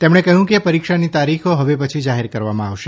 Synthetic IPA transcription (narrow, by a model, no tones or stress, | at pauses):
t̪emɳ̃ekəɦjũkepəɾikʃanit̪aɾixʰoɦəʋepət͡ʃʰid͡ʒaɦeɾkəɾʋamãaʋʃe